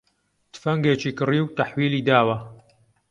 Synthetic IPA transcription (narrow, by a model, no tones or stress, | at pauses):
t̪ɨ̥fɐŋɡeːt͡ʃiːkɨriːwt̪ɐħwiːliːd̪aːwɐ